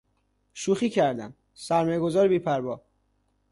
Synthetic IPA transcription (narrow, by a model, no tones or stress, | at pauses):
ʃuːxiːcʰæɾd̪æm | sæɾmɒːjeɡozɒːɾebiːpʰæɾbɒː